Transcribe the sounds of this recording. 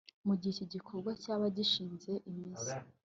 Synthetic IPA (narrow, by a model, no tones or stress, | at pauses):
muɟiiciɟikʰo̞ɾɡwacaβaɟiʃiːnze̞ʔimizi